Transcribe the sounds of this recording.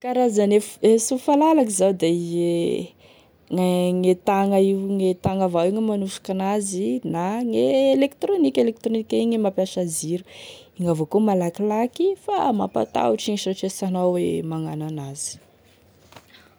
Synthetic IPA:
kaɾazanefesufalalakizawd̪ee | ŋaŋet̪aŋaiwŋet̪aŋavawiɲimanuʃu̥kanazinaŋeːlekt̪ɾonikʲelek̚t̪ɾonikʲaiŋimapjaʃaziɾuiŋavokumalakilakifa̰ma̰pa̰t̪a̰uʈ͡ʂiŋiʃoʈ͡ʂesanawemaŋananaz̥i̥

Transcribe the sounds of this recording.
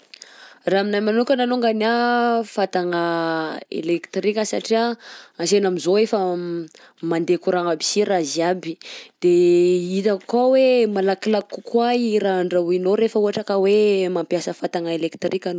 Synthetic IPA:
raminajmanukʲananuŋɡanafat̪aŋəḛlekt̪rikʲəsaʈ͡ʂiaasenamizoefə | mand̪ekuɾaŋabisiraziabid̪̥eit̪akawemalakilakukwaiɾaɳɖ͡ʐauinoɾefəuɦaʈ͡ʂakəwemampjasəfat̪aŋəelekt̪rikan

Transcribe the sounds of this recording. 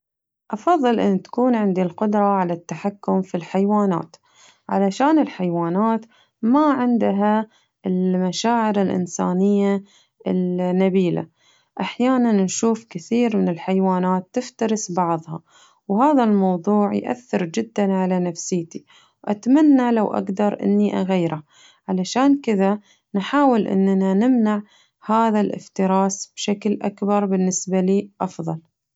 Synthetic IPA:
ʔɑfɑðˤːɨlʔɪ̰nːt̪ḁkuːnʕɪnd̪ilqʊd̪ɾˤɑʕalat̪ːaħakːʊmfilħajwaːna̰ːt̪ | ʕa̰laʃaːnɪlħajwaːnaːt̪ | maʕɪnd̪ɦa | ɪlmaʃaːʕɪɾalʔɪ̰nsa̰ːnɪjːa | ɪlnabiːla̰ | ʔaħjaːnannʃuːfkɪθiːɾmɪnɪlħajwaːnaːt̪ːɪft̪ɑɾɪsbɑʕðˤhɑ | whaːðalmɑwðˤuːʕjʔa̰θːɪɾd͡ʒɪd̪ːanʕalanafsɪːt̪i | ʔat̪manːalawʔa̰ɡd̪ɑɾˤʔɪ̰nːiʔaɣajːɾa | ʕalaʃaːnkɪða | nħaːwɪlʔɪ̰nːnanɪmnaʕ | haːðalʔɪ̰ft̪ɪɾɑːsb̥ʃaklʔakbɑɾˤbɪnːɪsbaliːʔɑfðˤɑl

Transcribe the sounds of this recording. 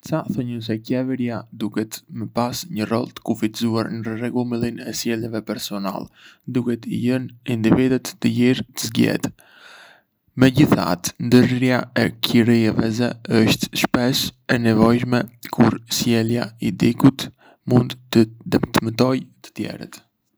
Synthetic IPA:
t͡saθɔɲəs̬ɛcɛvəɾiad̪ukɛt̪məpasɲərɔ̰lˠt̪ə̥kufizuaɾnərɛɡulmilˠinɛsjɛljɛvɛpɛɾsɔna̰lɛd̪ukɛt̪ḭjənind̪ivid̪ət̪ːəjiɾt̪əzɡɛ̰t̪ | mɛɟiθa̰t̪nd̪əɾɾjaɛkʰiɾiɛvɛzɛəʃt̪ʃpɛʃɛnɛvɔjʃmɛkʰuɾsjɛlˠjaid̪ikut̪ | mund̪t̪əd̪əmt̪əmət̪ɔjt̪ə̥t̪jɛ̰ɾə̰t̪

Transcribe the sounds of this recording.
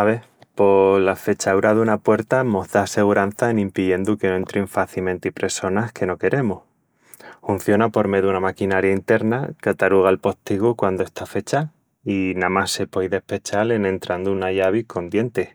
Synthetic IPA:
aβe̞ | po̞lafe̞t͡ʃauɾaðunapwe̞ɾt̪amo̞zðase̞ɣuɾan̟θaenĩmpiðje̞nd̪ukenoent̪ɾiɱfaθilmẽ̞nt̪ipɾe̞so̞nahke̞no̞ke̞ɾʔe̞muh | fun̟θjo̞napo̞ɾme̞ðunamakinaɾjaint̪e̞ɾnakat̪aɾuɣ̞alpo̞ht̪iɣukwand̪oe̞st̪ʰafe̞t͡ʃa | inamase̞pojðe̞hpe̞t͡ʃale̞nẽ̞nt̪ɾand̪uunaʝaβ̞iko̞nd̪je̞nt̪e

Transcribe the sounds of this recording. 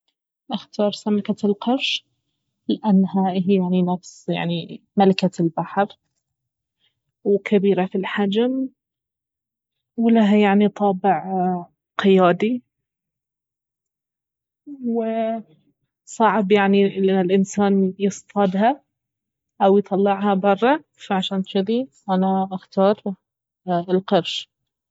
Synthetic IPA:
ʔaxt̪ɑːɾˤsamakalqɑɾʃ | lɪʔanːɦaɦjaʕninafsja̰ʕnimalakalbaħɾ | wkʰabiːɾafilħad͡ʒm | wɪlaɦajaʕnit̪ˤʰɑːbɪʕ | qɪjaːd̪i | wɪ | sˤɑʕbjaʕnilɪʔanːɪlʔɪnsaːnjɨst̪ˤɑd̪ha | ʔawjt̪ˤɑlːɪʕhɑbɑrˤːɑ | faʕaʃaːnt̪ʃʊd̪i | ʔanaʔaxt̪ɑːɾˤ | ɪlqɑɾʃ

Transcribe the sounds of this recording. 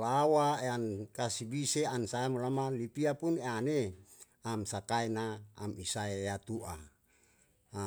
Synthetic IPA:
lawaeankasibiseansaamolamalipiapuneane | amsakaenaːmisaejat̪uʔa

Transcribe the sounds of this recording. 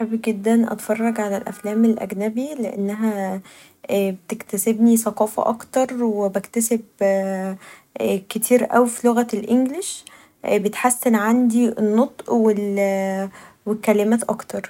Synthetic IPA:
ħabiɡed̪ːænʔɑ̰t̪fɑrˤːɑɡʕalælʔæ̰flæːmelʔæ̰ɡnæbileʔḛnːæɦæ | ʔbet̪ekt̪æsebnisɑqɑːfɑ̰ʔɑkt̪ɑɾˤwebækt̪æseb | ket̪ʰiːɾʔæ̰wifiloɣælʔeŋɡleʃ | bet̪ħasːenʕand̪inːot̪ˤʔwel | wekːælɪmæːt̪ʔɑ̰kt̪ɑɾˤ

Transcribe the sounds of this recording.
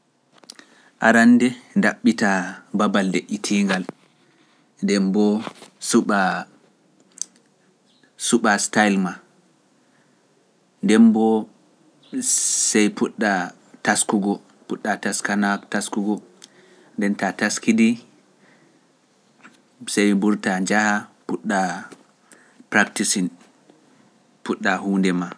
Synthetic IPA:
ʔaɾandɛndaɓːitababaldeʔːitʰiŋɡal | ndɛmbɔsuɓa | suɓastajlma | ndɛnbɔ | sɛjpuɗːa | taskuɡɔ | puɗːataskanataskuɡɔ | ndɛntataskidi | sɛjmbuɾtad͡ʒahapuɗːa | pɾaktisin | puɗːahuːndɛma

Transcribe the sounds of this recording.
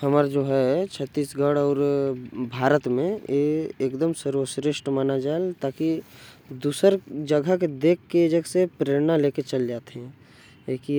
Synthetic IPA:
həmaːɾd͡ʒoːɦɛt͡ʃʰət̪ːiːsɡəɽɔːɾbʱaːɾət̪mẽeekd̪əmsəɾosɾeʃʈmaːnad͡ʒaːelt̪aːki | d̪uːsəɾd͡ʒəɡʱəked̪eːkʰːed͡ʒəɡsepɾeːɾnaleːket͡ʃəld͡ʒaːt̪eɦɛ̃ | eki

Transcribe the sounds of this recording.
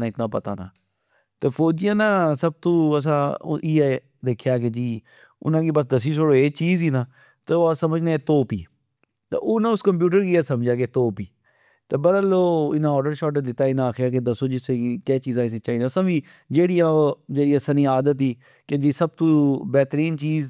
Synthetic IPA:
ãːɪt̪nãːpət̪a̰ːna̰ː | t̪eːpʰoːd͡ʒɪjãːnãːsəb̚t̪uːəs̬ãːiːɛː | d̪eːkʰjaːk̬ed͡ʒiː | ʊ̰nãːkiːbəsd̪əs̬iːsoɽoːeːt͡ʃiːziːnãː | t̪eoːsəməd͡ʒnẽɛːt̪oːpiː | t̪ḛːʔoːnãːʊskəmp̬juːʈəɾkiːɛːsəmd͡ʒaːk̬et̪oːpiː | t̪eːbəɾaloːɪnãːɔːɾɖəɾʃɔːʈ̬ed̪ɪt̪ːaːɪnãːaːkʰjaːk̬ed̪əsoːd͡ʒɪseikɛːt͡ʃiːzãːɪseːt͡ʃaːiːnãːsãːbiː | d͡ʒeːɽijãːd͡ʒeːɽiːasaniːaːd̪ət̪ɦiː | ked͡ʒiːsəb̚t̪ubɛːt̪ɾiːnt͡ʃiːz

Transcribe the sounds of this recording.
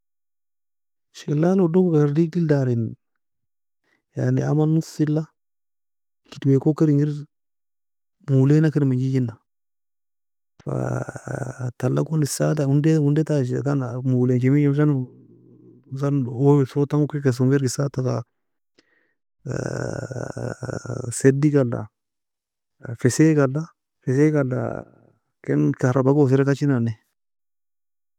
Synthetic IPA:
ʃelanodokɡaɾdiildaɾin | ja̰nḭamanusilːa | kitwekokiɾiŋiɾ | mulenakiɾmid͡ʒid͡ʒinːa | fa̰ | talːa̰kundisataundeundetaʃkanamulent͡ʃemid͡ʒems̬an | sanosotaŋukekes̬ueɾɡisataka̰ | sedikalːa̰ | fesekala | fes̬ekalːa̰ | kɛnkaɾabaɡos̬ɛɾɛtat͡ʃinanɛ

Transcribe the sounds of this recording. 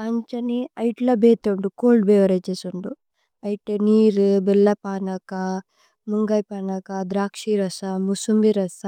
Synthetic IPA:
ɐɲt͡ʃɐniɐjʈlɐbeːt̪euɳɖukoːlɖbeːʋɐɾɐjt͡ʃeːsuɳɖu | ɐjʈeniːɾbɛlːɐpaːnɐkɐ | muŋɡɐjpaːnɐkɐd̪ɾaːkʂiɾɐsɐmusumbiɾɐsa

